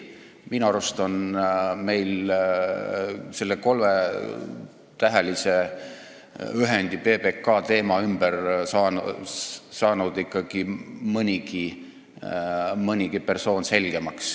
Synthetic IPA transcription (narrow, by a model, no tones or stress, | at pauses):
minɑɾust̪onme̞jl | se̞lːeko̞lme | t̪æɦælise | yɦenʲd̪ipe̞ːpe̞kːɑːt̪e̞ːmɑymb̥ərsɑn | sɑːnud̪̥ikːɑɡ̥imɤnʲiɡ̥i | mɤnʲiɡ̥ipe̞rso̞ːnse̞lʲɡ̥e̞mɑks